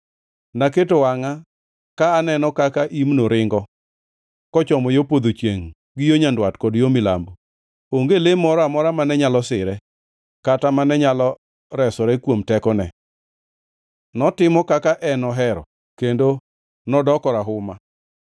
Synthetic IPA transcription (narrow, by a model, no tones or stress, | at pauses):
naketowaŋa | kaːnɛnɔkakaʔimnoɾɪŋɡɔ | kɔt͡ʃɔmɔjopod̪ot͡ʃjeŋ | ɡɪjoɲandwatkɔdjomɪla̰mbo | oŋɡelemɔɾɔamɔɾamanɛɲalɔsɪɾɛ | katamanɛɲalɔ | ɾɛsɔɾɛkwomtɛkɔnɛ | nɔtɪmɔkakaʔɛnɔɦɛɾɔ̰ | kendo | nɔdɔkɔɾaɦʊma